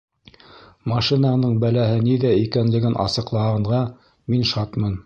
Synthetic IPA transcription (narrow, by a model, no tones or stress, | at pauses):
mɑʃinɑnɤɴbælæɦɘniðæikænlɘ̆ɡɘnʔɑ̰sɤ̆qlˠɑɦɑɴʁɑ | minʃɑt̪mɤn